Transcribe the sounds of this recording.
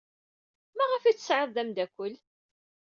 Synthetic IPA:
mæʁəfit͡sːə̥sʕəðˤðæmd̪ækʷːəl

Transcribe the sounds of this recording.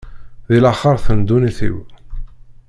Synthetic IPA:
ðilaχəɾˤθənd̪uniθḭw

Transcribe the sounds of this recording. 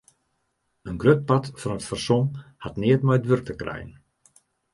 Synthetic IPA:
ənɡrøt̚patfɔnətfərsomhatnɪətmɛjədʋørk̚təkrɛ̰jən

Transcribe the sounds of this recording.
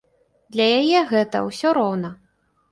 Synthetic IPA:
d̪lʲɐjajɛɣɛt̪ɐ̰wsʲɔɾɔwnɐ

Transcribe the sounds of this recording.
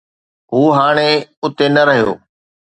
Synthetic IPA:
ɦuːɦaːɽ̃eʊt̪enɐɾɐɦijo̰ː

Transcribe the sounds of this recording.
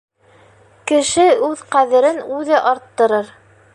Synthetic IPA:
kɘ̆ʃɘʉðqæðɘ̆ɾɘnʉðɘʔɑɾt̪ːɤ̆ɾɤɾ

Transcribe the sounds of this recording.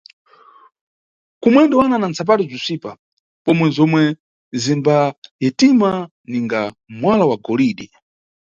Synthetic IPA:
kumwɛndɛwananant͡sap̬atizisʷipa | pɔmwɛzɔmwɛ | zimbajɛtima | niŋɡamwalawaɡɔliːɗi

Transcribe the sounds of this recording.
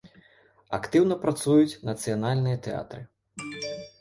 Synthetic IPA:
a̰kt̪ɨwnɐpɾat̪sujut͡sʲnɐt̪sɨjanalʲnɨjɐt̪ɛa̰t̪ɾɨ

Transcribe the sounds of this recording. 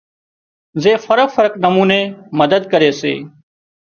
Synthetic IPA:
zeːfəɾəkfəɾəknəmuːneːməd̪əd̪̚kəɾeːsḛː

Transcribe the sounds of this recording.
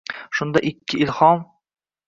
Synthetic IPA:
ʃʊnd̪aʔɪkʲʰːɪʔɪlhɒm

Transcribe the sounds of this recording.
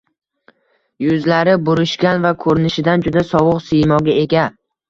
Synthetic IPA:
jʊzlaɾɪbʊɾɪʃɡʲanvakʰɵɾɪnɪʃɪd̪and͡ʒʊd̪asɒwʊqsijmɒɡʲae̞ɡʲa

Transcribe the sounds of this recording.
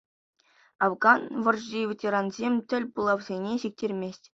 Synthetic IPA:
ɑvɡɑnʋɤ̆rʑivʲetʲeɾɑnzʲemʲtʲɘ̆lʲbulˠɑwzʲenʲeɕik̚tʲerʲmʲesʲtʲ

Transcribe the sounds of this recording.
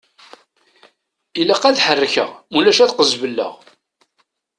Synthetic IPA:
ilæqæðħərːəçə̰ʁulæʃæθqəzvəlːə̰ʁ

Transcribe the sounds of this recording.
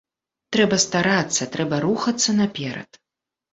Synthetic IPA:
t̪ɾɛbɐst̪aɾat̪sːɐt̪ɾɛbɐɾuxɐt̪sːɐnapʲɛɾɐ̰t̪

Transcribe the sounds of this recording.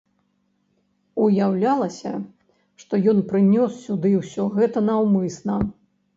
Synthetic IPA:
ujawlʲalˠɐsʲɐ | ʂt̪ɔjɔnpɾɨnʲɔsːʲud̪ɨwsʲɔɣɛt̪ɐnawmɨsnɐ

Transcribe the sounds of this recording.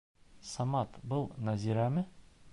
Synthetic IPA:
sɑmɑt̪bɤlˠnæziɾæmɘ

